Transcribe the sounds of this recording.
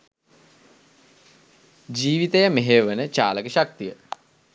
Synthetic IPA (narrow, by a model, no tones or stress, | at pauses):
d͡ʒiːʋit̪əjəmeɦeʋənət͡ʃaːləkəɕak̚t̪ijə